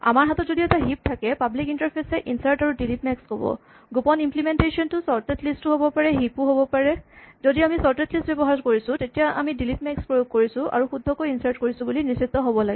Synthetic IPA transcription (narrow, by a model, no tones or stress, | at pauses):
a̰maɹɦatɔtzodiɛtaɦip̚tʰakɛpablikintaɹpʰesɛʔinsaɹtaɹudilip̚mɛkskɔbɔ̰ | ɡupɔnimplimentesiɔntʊsɔɹtetlistʊɦobɔpaɹɛɦipuɦobɔpaɹɛzodiamisɔɹtetlistbebɔɦaɹkoɹisʊ̃tetijaʔa̰midilip̚mɛkspɹojoɡ̚koɹisʊ̃ʔa̰ɹuxudʱːɔkojinsaɹtkoɹisʊ̃bulinisit̪ːɔɦobɔlaɡɛ